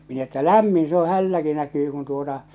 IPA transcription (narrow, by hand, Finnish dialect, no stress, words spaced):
min etːæ læmːin se o hælːæki nækyː kun tuotɑ